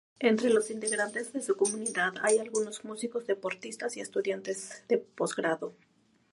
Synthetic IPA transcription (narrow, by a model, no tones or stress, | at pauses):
ent̪ɾe̞lo̞sint̪e̞ɣɾant̪ezðe̞suko̞mũniðaða̰jalɣuno̞zmusiko̞zðe̞po̞ɾt̪ist̪asie̞st̪uðjant̪e̞zðe̞po̞zɣɾaðo̞